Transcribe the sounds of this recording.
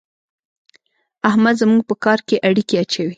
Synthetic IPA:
ahmad̪zmuɡ̚pəkɑɾkeʔaɽikeat͡ʃawi

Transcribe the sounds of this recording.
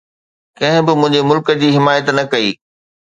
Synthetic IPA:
kɐ̃ɦɪ̃bɪmʊ̃ɦɪ̃ɲd͡ʑemʊlkəd͡ʑiːɦɪmaːjət̪nɐkɐḭː

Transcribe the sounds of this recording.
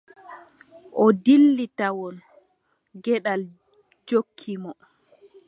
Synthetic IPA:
ʔɔdilːitawɔn | ɡɛɗal | d͡ʒokʰːimɔ

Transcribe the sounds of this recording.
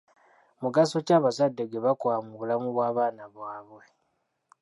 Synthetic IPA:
muɡaso̞caːβazadːe̞ɡe̞βakwaːmuβulamuβwaːβaːnaβwaːβwe̞

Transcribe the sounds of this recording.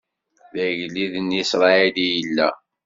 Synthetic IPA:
ðæʝliðnisɾˤɑilijəlːæ̰

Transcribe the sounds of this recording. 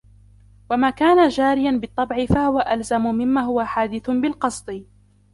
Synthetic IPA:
wamaːkaːnad͡ʒaːɾɪjanbɨt̪ˤːɑbʕɪfahʊwaʔalzamʊmɪmːaːɦhʊwaħaːd̪ɪθbɪlqɑsˤd̪ˤɨ

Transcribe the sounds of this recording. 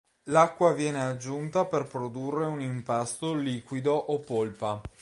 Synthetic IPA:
lakːwavjɛːnead͡ʒːunt̪aperpɾod̪urːeunimpast̪oliːkwid̪oʔopːolpa

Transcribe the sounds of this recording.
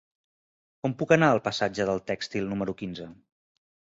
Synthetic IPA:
ɔmpukənaəlˠpəsad͡ʒəðəlˠt̪ɛkst̪ilˠnuməɾukinzə

